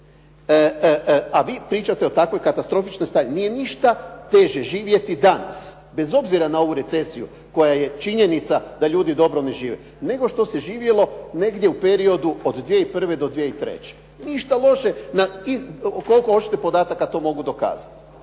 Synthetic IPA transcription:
aʋiːpɾiːt͡ʃat̪eo̞t̪akʋo̞jkat̪ast̪ɾo̞fit͡ʃno̞jst̪aːɾinije̞niʃt̪at̪e̞ʒeʒiːʋje̞t̪id̪ana̰s | be̞zo̞bziɾanao̞ʋuɾe̞t̪se̞sijṵ | ko̞jaje̞t͡ʃiɲe̞nit̪sad̪aʎuːd̪id̪o̞bɾo̞ne̞ʒiːʋḛ | ne̞ɡo̞ʃt̪o̞seʒiːʋje̞lˠo̞ne̞ɡd̪jeupe̞ɾio̞d̪uod̪d̪ʋje̞ipr̩ʋe̞d̪o̞d̪ʋjeit̪ɾe̞̰t͡ɕe̥ | niʃt̪alo̞ʃe̞naiko̞lˠkoo̞t͡ʃi̥t̪epo̞d̪aːt̪akat̪o̞mo̞ɡud̪o̞ka̰ːzat̪i̥

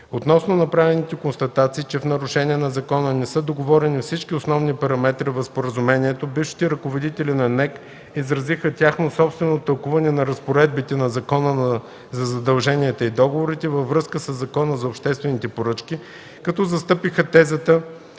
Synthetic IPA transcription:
ot̪nɔsnonɐpɾavɛnit̪ɛkonst̪ɐt̪at̪siːt͡ʃɛfn̪ɐɾʊʃɛniɛnɐzɐkɔnənɛsɤd̪oɡovɔɾɛnifsit͡ʃkiosnɔvnipɐɾɐmɛt̪ɾivɐfspoɾəzʊmɛniɛt̪obifʃi̥t̪ɛɾɐkovod̪it̪ɛlinɐnɛk | izɾɐzixət̪ʲjaxnosɔpst̪vɛnot̪ɐlˠkuvɐnɛnɐɾɐspoɾɛd̪̚bit̪ɛnɐzɐkɔnən | zɐzɐd̪ɐlˠʒɛniɛt̪əid̪ɔɡovoɾit̪ɛvɐvːɾɤskəsəzːɐkɔnəzɐopʃt̪ɛst̪vɛnit̪ɛpoɾɤt͡ʃki | kɐt̪ɔzɐst̪ɤpixət̪ɛzət̪ə

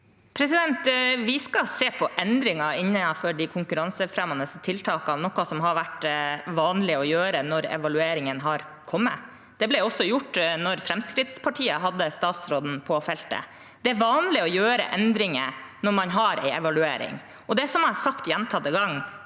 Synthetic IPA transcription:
pʰɾɛsɪd̪ɛnt̪ʋɪskɑseːpʰɔʔɛnd̪ɾɪŋɑɪnːəfɔɖɪkʰʊŋkʉɾɑnsəfɾɛmɑnəst̪ʰɪlt̪ʰɑːkɑnɔkːɑsɔmɦɑɾʋæʈʋɑːnlɪɔjøːɾənɔɾɛ̰ʋɑlʉeːɾɪŋənɦɑɾ | kʰɔmːə | d̪̥ɛblɛɔsːɔjʊʈːnɔɾfɾɛmskɾɪt̪spʰɑʈʰiːəɦɑd̪ːəst̪ɑːt̪sɾoːd̪n̩pʰɔfɛlt̪ə̰ | d̪ɛæɾʋɑːnlɪɔjøːɾə̰ʔɛnd̪ɾɪŋənɔɾmɑnɦɑɾɛ̰ɪɛʋɑlʉeːɾɪ̰ŋ | ʔɔd̪ɛsɔmɑsɑkt̪jɛnt̪ʰɑt̪əɡɑŋː

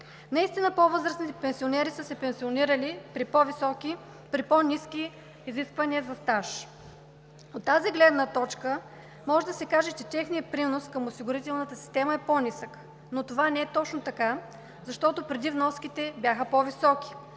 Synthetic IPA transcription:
nɐist̪inəpovɤzɾəsnit̪ɛpɛnsionɛɾisəsɛpɛnsioniɾəlipɾipɔvisɔki | pɾiponʲiski | iziskvɐniəzɐst̪aʃ | ot̪ːaziɡlɛd̪nət̪ɔt͡ʃkə | mɔʒɛd̪ɐsɛkaʒɛt͡ʃɛt̪ɛxnijəpɾinoskɐmosiɡʊɾit̪ɛlˠnət̪əsi̥st̪ɛməɛponʲisək | not̪ovanɛɛt̪ɔt͡ʃnot̪ɐka | zɐʃt̪ɔt̪opɾɛd̪ivnɔskit̪ɛbjaxəpovisɔki̥

